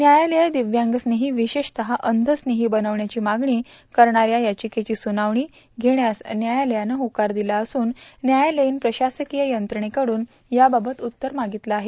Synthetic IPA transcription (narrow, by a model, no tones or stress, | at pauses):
njajaləjad̪iʋjãŋɡəsneɦiːʋiɕeʂt̪əɦaʔənd̪ʱəsneɦiːbənəʋɳjat͡ɕiːmaɡɳiː | kəɾɳaɾjajat͡ɕiket͡ɕiːsunaʋɳiː | ɡʱeɳjasnjajaljanəɦokaɾd̪ilaəsuːnːjajaleinpɾəɕasəkijəjənt̪ɾəɳekəɽuːn | jababət̪ut̪ːəɾmaɡit̪laːɦe